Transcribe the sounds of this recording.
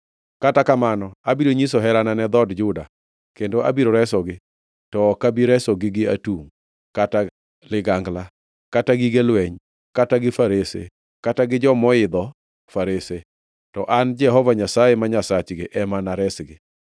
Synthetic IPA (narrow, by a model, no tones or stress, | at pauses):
katakamanɔabiɾoɲisoɦɛɾananɛd̪ɔdd͡ʒʊda | kendoʔa̰biɾoɾɛsɔɡɪ | tɔːkabiɾɛsɔɡɪɡɪa̰tuŋ | kata | lɪɡaŋɡla | kataɡiɡelwɛɲ | kataɡɪfaɾesḛ | kataɡɪd͡ʒɔmɔɪd̪ɔ | faɾese | tɔʔand͡ʒɛɦɔvaɲasajemaɲasat͡ʃɡɪʔɛmanaɾɛsɡɪ